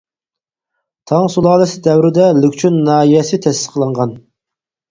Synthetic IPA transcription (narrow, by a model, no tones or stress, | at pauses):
t̪ʰɑŋsulˠɑːlˠɛsɪd̪ɛwɾɪd̪ɛlykʲt͡ʃʰynːɑːijɛsɪt̪ʰɛsɪ̥sqʰəlˠɑɴʁɑn